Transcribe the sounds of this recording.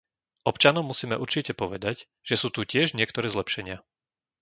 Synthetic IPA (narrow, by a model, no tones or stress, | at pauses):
ʔɔpt͡ʃanɔʊmusiːmɛʔuɾt͡ʃicɛpɔʋɛd̪aɟ | ʒ̥ɛsuːt̪ucɪɛʒɲɪɛkt̪ɔɾɛːzlɛpʃɛɲɪa